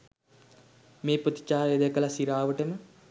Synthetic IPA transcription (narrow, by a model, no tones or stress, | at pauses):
meːpɾət̪i̥t͡ʃaːɾjed̪ekəlasiɾaːʋəʈəmə